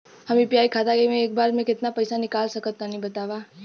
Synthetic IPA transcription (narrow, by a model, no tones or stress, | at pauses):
hɐmiːpiaːikʰaːt̪aɡemẽeːk̚baːɾmẽkɪt̪napɐɪsanɪkaːlsɐkət̪ːanĩbɐt̪aːʋaː